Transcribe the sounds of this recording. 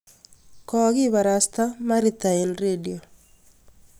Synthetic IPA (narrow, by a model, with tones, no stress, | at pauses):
kɔ˦ɣɪ˦βa˨ɾasta˦ma˦ɾit̪a˨i˨nredio˨